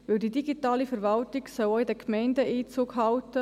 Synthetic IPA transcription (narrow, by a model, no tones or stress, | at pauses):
ʋɪldidiɡitaːlifəɾvɑltɪɡsɔwoɪdəkʰmɛɪndəʔiːt͡suːkɦɑltə